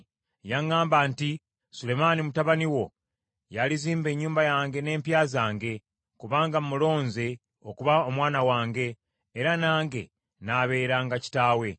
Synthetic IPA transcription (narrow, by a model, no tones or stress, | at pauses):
jaŋːaːmbanti | sule̞manimutaβaniwo̞ | jaliziːmbe̞ːɲːuːmbajaːŋɡe̞ne̞ːmpjaːzaːŋɡe̞ | kuβaːŋɡammulo̞ːnze̞ | o̞kuβao̞mwaːnawaːŋɡe̞ː | ɾanaːŋɡe̞̰ | naːβe̞ːɾaːŋɡaci̥taːwe̞